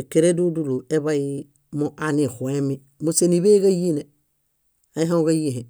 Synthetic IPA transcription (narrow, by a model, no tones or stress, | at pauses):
ekeɾeduduluebai | moʔanixuemi | musenibeɡajine | aiɦauɡajiɦe